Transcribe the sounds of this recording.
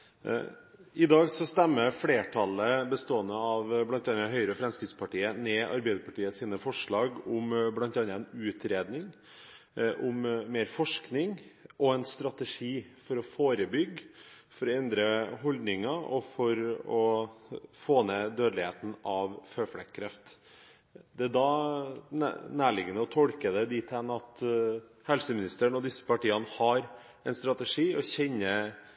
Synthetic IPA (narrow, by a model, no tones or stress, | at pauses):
ɪd̪ɑːɡsɔst̪ɛmːəɾfɽeːʈʰɑləbəst̪oːənəɑʋblɑnt̪ɑnːəɦœʏɾəfɾɛmskɾɪt̪spʰɑʈiːənɛːʔɑ̰ɾbæɪd̪əɾpɑʈiːəsiːnəfɔʂɭɑːɡʊmblɑnt̪ɑnːɾəɛnʉːt̪ʰɾeːd̪nɪŋ | ʔʊmmeːɾfɔʂknɪŋʔɔɛnst̪ɾɑt̪əʂiːfɔɾɔfoːɾəbʏɡː | fɔɾɔɛnd̪ɾəɦɔld̪nɪŋɑɔfɔɾɔ | foːned̪øːd̪lɪheːt̪n̩ɑʋføːfɽɛkʰkʰːɾɛft̪ | d̪ɛæd̪ɑ̰ | næːɭɪɡənəɔt̪ʰɔlkəd̪ɛd̪ɪt̪ʰɛnɑt̪ | hɛlsəmɪnɪst̪əɳɔd̪ɪsːə̥pɑʈiːɑnəhɑɾ | ɛnst̪ɾɑt̪əʂiːɔçɛnːə